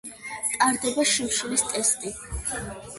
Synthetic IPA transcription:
t̪ʼaɾd̪ɛbaʃimʃulist̪ʼɛst̪ʼi

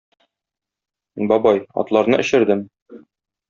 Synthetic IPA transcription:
bɒbɑjɒ̰t̪lˠɑɾnɤʔɘ̆ɕɘ̆ɾd̪ɘm

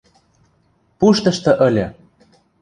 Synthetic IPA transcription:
puʃt̪ɤ̆ʃt̪ɤ̆ʔə̆lʲɤ̆

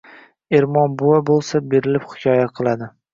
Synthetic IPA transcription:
eɾmɒnbʊwabolˠsabeɾɪlɪphɪ̥kʲʰɒjaqʰɨlˠad̪ɪ

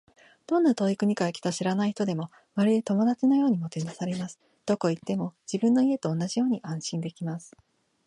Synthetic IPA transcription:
d̪̥õ̞nːat̪o̞ːikɯ̟ɲ̟ikaekʲi̥t̪oɕiɾanaiçt̪o̞d̪e̞mo̞ | βaɾʲid̪et̪o̞mo̞d̪at͡ɕino̞jo̞ːɲ̟imo̞t̪e̞nasaɾe̞masɨ̥ | d̪̥o̞ko̞it̪ːe̞mo̞d͡ʑibɯ̟̃nːo̞ie̞t̪o̞ːnːaʑijo̞ːɲ̟iʔãɰ̃ɕĩnd̪e̞kʲimasɨ̥

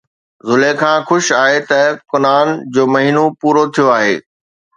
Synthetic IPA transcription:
zʊlekʰãːxʊʃaːɦet̪ɐkʊnaːnd͡ʑoːmɐɦiːnopuːɾot̪ʰijoaːɦḛː

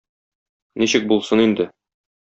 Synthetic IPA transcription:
niɕɘk̚bulˠsɤnind̪ɘ

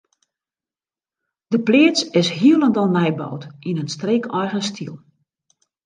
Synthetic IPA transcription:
d̥əplɪːət͡sɪsɦiəlˠəndɔnmɛjbɔ̰wtinənstreːkɔjɣənstʰilˠ

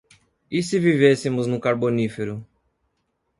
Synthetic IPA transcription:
isɪvivesɪmʊznʊkaɾbonifeɾʊ

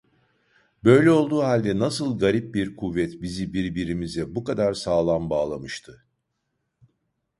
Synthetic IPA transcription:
bø̞jlʲɛo̞lˠd̪uːɦalʲd̪ɛnasɯlˠɡaɾip̚biɾkʰuvːɛt̪bizibiɾbiɾimizɛbukad̪aɾsaːlˠanbaːlˠamɯʃt̪ʰɯ

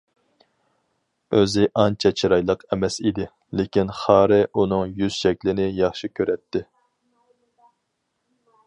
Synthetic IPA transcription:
øzɪʔɑnt͡ʃʰɛt͡ʃʰiɾɑjlˠəqɛmɛsid̪ɪ | lɪkʲinχɑːɾɨʔunɨŋjyz̥ʃɛkʲlɪnɪjɑχʃikʲʰøɾɛt̪ʰːɪ

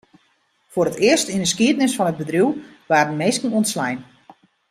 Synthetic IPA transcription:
fʊɾətɪəstindəskiətnɪsfɔnət̚bədriw | ʋaːrənmeːskn̩onslɛjn

